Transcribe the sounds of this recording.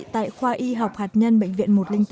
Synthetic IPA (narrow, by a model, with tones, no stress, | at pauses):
t̪a̰ː˧˨jxwaː˧ʔi˧ɦa˨˩wk͡p̚haː˨˩t̚ɲə˧nɓə̰˧˨ŋ̟vḭ˧˨ənmo˨˩t̚lï˧ŋt̪